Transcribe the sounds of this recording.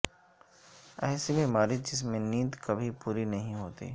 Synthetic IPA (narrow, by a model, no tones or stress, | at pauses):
ɛːsibemaːɾɪd͡ʒɪs̬mẽniːd̪kɐbʱipuːɾinɐɦĩɦoːt̪ḭː